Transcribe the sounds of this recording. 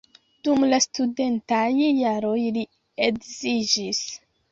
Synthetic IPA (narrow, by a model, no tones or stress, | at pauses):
d̥umlastude̞ntajːaɾo̞jli | ekzid͡ʒis